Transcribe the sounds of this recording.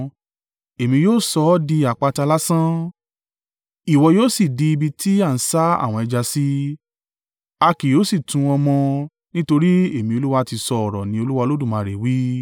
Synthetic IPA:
e˨mĩ˧joː˦˨sɔ˧˦di˧a˨k͡pa˧ta˧la˦sã˦ | i˨wɔ˧joː˦si˦˨di˧i˧bi˧tʰi˦a˦˨n̩˨˦sa˦a̰˦˨w̃ɔ̃˧ɛ˧d͡ʒa˧si˦ | a˧ki˨joː˨˦si˦˨tũ˧ɔ˧mɔ̃˧ | nĩ˦to˧ɾi˦e˦˨mĩ˧o˧lu˦wa˧ti˧sɔ˧ɔ˨ɾɔ˨nĩ˨˦o˧lu˦wa˧lo˦dũ˦˨mã˨˧˨ɾe˨wi˦

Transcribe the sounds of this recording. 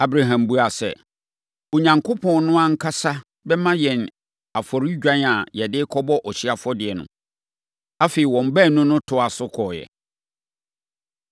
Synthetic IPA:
a˨bɾa˨ɦã˨mbu˦a˨sɛ̰˨ | o˨ɲã˨ŋkʰʊ˦pʰɔ̃˨nnʊ̃˦ã˦ŋ̩˦kʰa˦sa˦ | bɛ˦mã˦jɛ̃˨n | a˨fɔ˨ɾi˦d͡ʑᶣã˦na˨jɛ˨dɪ˦kʰɔ˦bɔ˦ʔɔ˨ɕi˦a˨fɔ˦dɪ˨ɛ˨nʊ̰̃˨ | a˦feː˨i˨wɔ̃˨m˨bɛ˦˨nʊ̃˦nʊ̃˦tʰʊ˦a˨sʊ˦kʰɔː˨jɛ̰˨

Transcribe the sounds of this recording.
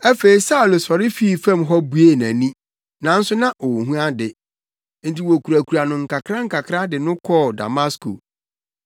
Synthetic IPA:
ɛ˦fe˨i˨sa˦ʊ˨lo˨sɔ˨ɾɪ˦fi˦˨fæ̃˦˨mɦɔ˦bu˦e˦˨næ̃˨nĩ˦ | nã˨n̩˦sʊ˦nã˦ʔo˨ɦũ˦a˦dɪ˨ | n̩˦˨ti˨wo˨kʰu˨ɾæ˨kʰu˨ɾa˨nʊ̃˨ŋ̩˨kʰa˨kʰɾã˦ŋ̩˦kʰa˨kʰɾa˦dɪ˨nʊ̃˦kʰɔ˦˨da̰˨ma˦skʰo̰˨

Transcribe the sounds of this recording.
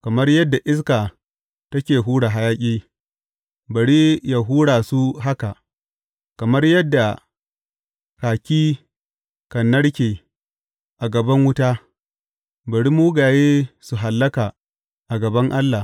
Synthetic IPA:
kɐ˨mɐ˦rjɐ˦dːa˨ʔɪ˦s̬kaː˨ | tɐ˦kʲeː˨ɦuː˦ɽa˨ɦa˦jaː˦kʲʼiː˦ | bɐ˨ɽi˦ja˨ɦuː˦ɽaː˨su˦ɦa˦ka˨ʔ | kɐ˨mɐ˦rjɐ˦dːa˨ | kaː˨kʲiː˦ | kɐ˨nːɐ˦ɽkʲeː˨ | ʔa˨ɡɐ˨bɐ˦ŋwʊ˦taː˦ | bɐ˨ɽi˦muː˦ɡaː˨jeː˦su˨ɦa˨lːɐ˦kaː˨ | ʔa˨ɡɐ˨bɐ˦ŋʔa˦lːa˨

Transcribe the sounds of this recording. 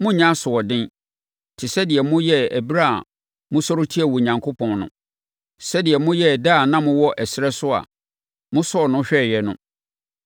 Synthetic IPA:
mʊ̃˦ɲã˦sʊ˨ɔ˨dɪ̃˦n | tʰɪ˨sɛ˦dɪ˨ɛ˨mʊ̃˦jɛ˦æ˨bi˦ɾa˦˨ | mʊ̃˦sɔ˦ɾʊ˦tʰi˦ɛ˨wɔ˨ɲã˨ŋkʰo˦pʰɔ̃˨nnʊ̰̃˨ | sɛ˦dɪ˨ɛ˨mʊ̃˦jɛ˦˨daː˦˨nã˦mʊ̃˦wɔ˦ʔɛ˨sɪ˦ɾɛ˦sʊ˦a̰˨ | mʊ̃˦sɔ˦˨nʊ̃˦ɕᶣɛ˦˨jɛ˨nʊ̰̃˦

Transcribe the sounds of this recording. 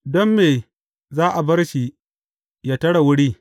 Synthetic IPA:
dɔ˦mːeː˨ | zaː˦ʔa˨bɐ˦rʃi˨ | jaː˦tɐ˦ɽa˨wʊ˦ɽiː˦

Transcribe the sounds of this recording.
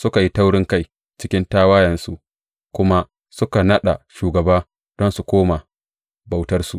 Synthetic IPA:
sʊ˦ka˨ji˦ta˦wɽɪ˦ŋka˦j | t͡ʃɪ˦kʲɪ˦ntaː˦waː˦jɐ˨nsu˦ʔ | kʷʊ˦ma˦ | sʊ˦ka˨nɐ˦ɗa˨ʃuː˨ɡɐ˨baː˦ | d̥ɔ˦nsu˨kʷoː˦ma˨ | ba˨wtɐ˦rsu˨

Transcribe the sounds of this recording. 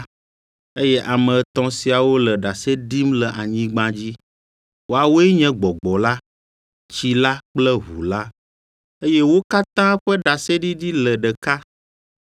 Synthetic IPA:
e˦jɛ˦ʔa˨mɛ̃˨t̪ɔ̃˦si˨a˨wo˦lɛ˨ɖa˨se˦ɖi˦mlɛ˨ʔa˨ɲĩ˦ɡ͡bã˦d͡ʑi˦ | wo˦a˨wo˦ɛ˦ɲɛ̃˦ɡ͡bɔ˨ɡ͡bɔ˨la˦ | t͡ɕi˦la˦k͡plɛ˦ɦṵ˨la˦ | e˦jɛ˦wo˦ka˦t̪ã˦ɸɛ˦ɖa˨sɛ˦ɖi˦ɖi˦lɛ˨ɖə˨ka˦

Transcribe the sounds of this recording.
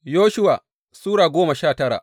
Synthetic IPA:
joː˦ʃʊ˦wa̰ː˨ | suː˦ɽaː˨ɡʷoː˦mɐ˨ʃaː˦˨tɐ˦ɽa̰ː˨ʔ

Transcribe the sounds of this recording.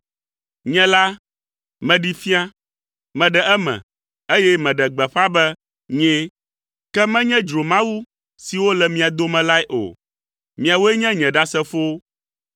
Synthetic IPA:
ɲɛ̃˦la˦ | mɛ̃˨ɖi˦fi˦a˦ | mɛ̃˨ɖɛ˨ʔɛ˦mɛ̰̃˨ | e˦jɛ˦mɛ̃˨ɖɛ˨ɡ͡bɛ˨ɸã˦bɛ˦ | ɲɛ̃˦ | kɛ˦mɛ̃˦ɲɛ̃˦d͡ʒɾo˨mã˦wu˦ | si˨wo˦lɛ˨mĩ˨a˨d̪o˦mɛ̃˨la˦ɛ˦ʔo̰˨ | mĩ˨a˨wo˦ɛ˦ɲɛ̃˦ɲɛ̃˨ɖa˦sɛ˦fo˦

